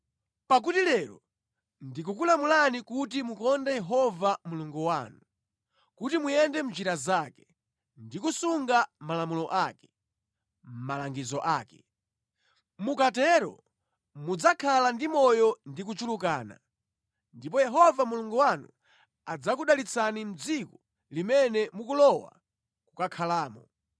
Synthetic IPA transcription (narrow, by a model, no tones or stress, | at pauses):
pak̬utilɛːɾɔ̰ | ndik̬ukulamulanikutimukɔndɛjɛɦɔvamuluŋɡuwaːnu | kutimujɛndɛm̩d͡ʒiɾazakɛ̥ | ndikusuŋɡamalamulɔʔaːkɛ̥ | m̩malaŋɡizɔʔaːkɛ | mukatɛɾɔ̰ | mud͡zakʰalandimɔjɔndik̬ut͡ʃulukaːna̰ | ndipɔjɛɦɔvamuluŋɡuwanṵ | ad͡zakuɗalit͡sʰanim̩d͡zikɔ | limɛnɛmukulɔwa̰ | kukakʰalaːmɔ